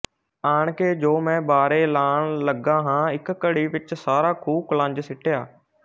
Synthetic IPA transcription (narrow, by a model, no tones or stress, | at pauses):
aːɳ̃keːd͡ʒoːmɛ̃ːbaːɾeːlaːɳ̃ləɡãːɦãːɪkkəɽiːʋɪt͡ʃsaːɾaːkʰuːkələ̃ːɲd͡ʒsɪʈʰejaː